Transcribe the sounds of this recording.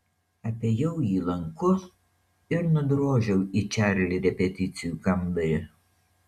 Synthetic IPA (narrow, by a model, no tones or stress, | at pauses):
ɐpʲejɛwjiːlˠɐŋkʊs | ɪɾnʊd̪ɾoːʒʲɛwit͡ʃʲæːɾʲɛlʲɪɾʲɛpʲɛt̪ʲɪt̪sʲɪjukɐmd̪ɐjɛ